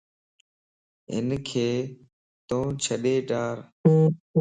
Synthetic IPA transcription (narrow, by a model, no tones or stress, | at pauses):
ɦɪ̰nkʰeː | t̪õːt͡ʃʰəɗeːɖaːɾː